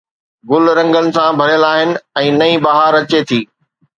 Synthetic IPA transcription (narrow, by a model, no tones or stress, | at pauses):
ɡʊlɾɐ̃ŋɡənɪ̆sãbʱɐɾɪjəlaːɦɪnɪ̆ɛ̃ːnɐĩːbaɦaɾɐt͡ɕet̪ʰiː